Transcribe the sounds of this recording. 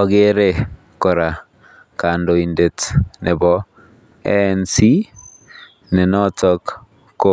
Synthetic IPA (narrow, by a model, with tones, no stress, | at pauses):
ɔ˨ɣe˦ɾe˦ | ko˨ɾa˨ | ka˨ndo˨i˨nde˨tnʔe˨bɔ˦ | ɛnsi˦ | ne˨nɔ˦tɔ˦k | kːo˦